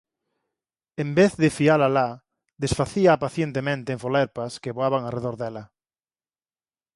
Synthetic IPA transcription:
ẽmbeθðefialala | ðesfaθiaːpaθjent̪emẽnt̪eːɱfoleɾpaskeβoaβaŋareðoɾðela

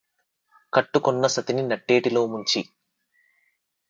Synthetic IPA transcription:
kɐʈːukunːɐsɐt̪ininɐʈːe̞ːʈilo̞ːmuɲt͡ʃi

